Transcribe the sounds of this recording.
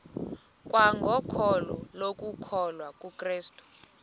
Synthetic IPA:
kʼwaŋɡʱɔkʰɔlɔlok̬ʼukʰɔlwakʼukʰʼriːstʼu̥

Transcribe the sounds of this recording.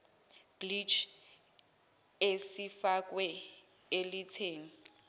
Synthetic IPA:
b̥lit͡ʃʰ | esifakʼwɛ | elitʰeːŋ̩

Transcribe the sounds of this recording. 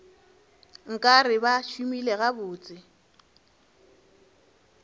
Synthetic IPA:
ŋ̩kʼarɪbaʃumileɣabʊːt͡sʼɪ

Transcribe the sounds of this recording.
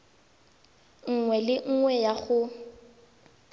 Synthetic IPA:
ŋ̩ŋwɛlɪŋ̩ŋwɛjaɣʊ

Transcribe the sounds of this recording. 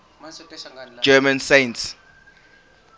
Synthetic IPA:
d͡ʒɛmãnsẽnts

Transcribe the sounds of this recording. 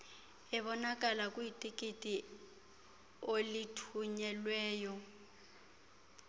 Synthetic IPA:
ɪβɔnakʼalakʼuitʼikʼitʼi | olitʰuɲɛlwɛːjɔ

